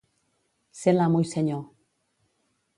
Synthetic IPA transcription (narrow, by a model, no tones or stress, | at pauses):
selamujseɲo